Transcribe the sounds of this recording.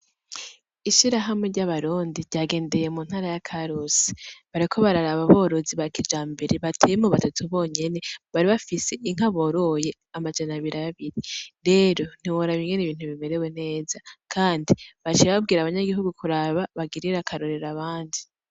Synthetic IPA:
iʃiɾaɦamŋe̞ɾɟaβaɾuːndiɾɟaːɡe̞ːnde̞je̞muːn̥haːɾajakʰaɾusi̥βaɾikʰo̞βaɾaɾaβaβo̞ɾo̞ziβakid͡ʒaːmbeɾeβatʰejemoβatatʰuβo̞ːɲe̞ne̞βaɾiβafise̞ʔiŋ̥aβo̞ɾo̞je̞ | amad͡ʒanaβiɾaaβiɾiɾe̞ːɾo̞n̥iwoɾaβiŋɡe̞niβiːn̥uβime̞ɾe̞we̞ne̞ːzakʰaːndiβat͡ʃiɾaβab̚ɡiːɾaβaɲaɡiɦuɡukʰuɾaβaβaɡiɾiɾakʰaɾoɾe̞ɾaβaːndi

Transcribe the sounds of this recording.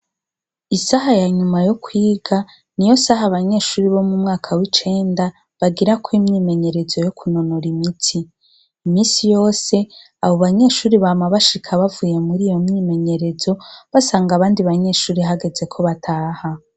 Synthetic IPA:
isaɦajaɲumajo̞kʰwiːɡa | nijo̞saɦaβaɲe̞ːʃuːɾiβo̞mumŋaːkʰawit͡ʃe̞ːnda | βaɡiɾakwimɲiːme̞ɲe̞ɾe̞zo̞jokʰuno̞noɾimitʰiː | miːsijo̞ːse̞ | aβo̞βaɲe̞ːʃuːɾiβaːmaβaʃikʰaβavuːje̞muɾijo̞mɲiːme̞ɲe̞ɾe̞zo̞βasaːŋɡaβaːndiβaɲe̞ːʃuːɾiɦaɡe̞ze̞kʰo̞βatʰaːha

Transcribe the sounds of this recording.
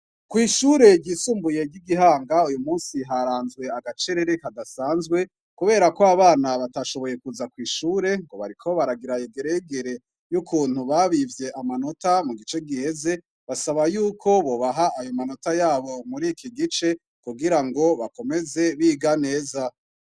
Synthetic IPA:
kwiːʃuːɾe̞ɟiːsuːmbuje̞ɟiɡiɦaːŋɡaujumuːnsiɦaɾaːnzwe̞aɡat͡ʃe̞ɾe̞ɾekadasaːnzɡwe̞ | kuβe̞ːɾakoaβaːnaβataʃo̞βo̞je̞kuzakwiːʃuːɾe̞ŋɡo̞βa̰ɾikʰo̞βaɾaɡiɾajeɡe̞ɾeɡeɾe̞ | jukʰuːn̥huβaβivje̞ʔamano̞tamuɡit͡ʃe̞ɡihe̞ze̞ | βasaβajuːkʰo̞βo̞ːβaɦaajo̞mano̞tajaːβo̞muɾikʰiɡit͡ʃe̞ | kuɡiɾaŋɡo̞βako̞me̞ze̞βiːɡane̞ːza

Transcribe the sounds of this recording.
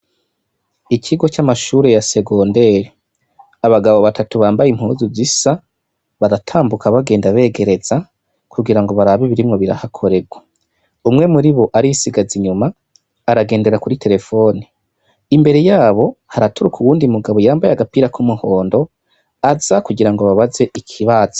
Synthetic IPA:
icʰiɡo̞t͡ʃamaʃuːɾe̞jase̞ɡo̞ːnde̞ːɾe | aβaɡaβo̞βatʰatuβaːmbajim̥huːzuzisa | βaɾatʰaːmbukʰaβaɡe̞ːndaβe̞ːɡe̞ɾe̞z̥a | kʰuɡiɾaŋɡo̞βaɾaβiβiɾimŋo̞βiɾa̰hakʰo̞ɾe̞ɡwa | umŋe̞muɾiβo̞ʔaɾisiɡaziɲumaː | ɾaɡe̞ːnde̞ɾakuɾitʰe̞ɾe̞fo̞ːni | imbe̞ɾe̞jaːβo̞haɾatuɾukuwuːndimuɡaβo̞jaːmbajaɡapiːɾakumuho̞ːndo̞ | azakuɡiɾaŋɡoβaβaze̞ʔikʰiβaz̥ḁ

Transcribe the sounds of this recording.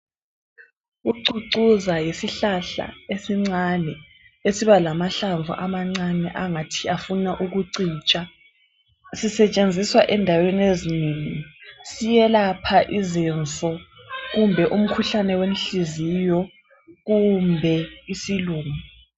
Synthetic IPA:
ɣuǀuǀuzajisiɬaɬa̰esiŋ͡ǀanɛ | esiβalamaɬaɱvʱṵʔamaŋ͡ǀanɛʔaŋatʰiafunaʔuɣuǀiːt͡ʃʼa | sisɛt͡ʃʼend͡zʱiswaʔɛndʱawenezineːŋisijɛlapʰaʔizint͡sʼɔɣumbʱɛʔum̩kʰuɬanɛwenɬizijɔ | ɣumbʱɛisiluːma

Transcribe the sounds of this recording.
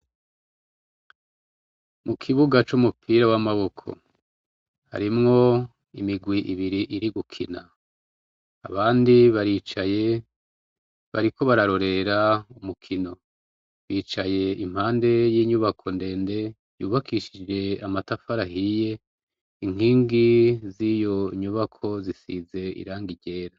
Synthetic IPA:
mukʰiβuɡat͡ʃumupʰiːɾawamaβo̞kʰo̞̰ | ha̰ɾimŋo̞ | imiɡwiʔiβiɾiʔiɾiɡukʰina | βaːndiβaɾit͡ʃaje | βa̰ɾiko̞βaɾaɾo̞ɾe̞ɾaumukʰino̞ | βiːt͡ʃaje̞im̥haːnde̞jiːɲuβakʰo̞nde̞ːnde̞ | juːβakʰiʃid͡ʒe̞amatafaɾahije̞ | iŋ̥ɦiːŋɡizijo̞ɲuβakʰo̞zisize̞ḭɾaːŋɡiɟe̞ːɾa

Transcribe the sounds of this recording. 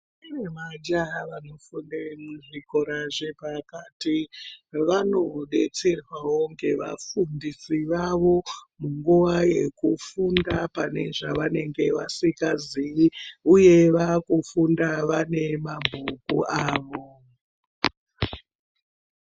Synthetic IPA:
iremad͡ʒaʋano̞fundemuʐiko̞ɾaʐepakaːtiʋano̞ɗe̞t͡se̞rwawo̞ŋɡe̞ʋa̰fundisiʋaʋo̞muŋɡuʋaje̞kufundapane̞ʐaʋane̞ŋɡe̞ʋa̰sikaziiuje̞ʋakufundaʋane̞mabʱukṵʔaːʋo̞

